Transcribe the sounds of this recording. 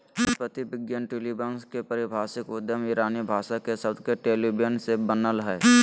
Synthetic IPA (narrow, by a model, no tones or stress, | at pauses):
spət̪ibɪɡjənʈilibənskepəɾɪbʱaːsɪkʊd̪jəmɪɾaːnijbʱaːʃakesəbd̪ʱkeʈeːlibjənsebənəlɦɛː